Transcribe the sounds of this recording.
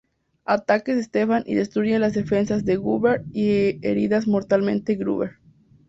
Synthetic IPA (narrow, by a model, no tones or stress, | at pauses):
at̪akezðest̪efanʔḭðest̪ɾuɾjelazðefe̞nsazðeɣuβeɾieɾiðazmoɾt̪almẽ̞nt̪eɡɾṵβeɾ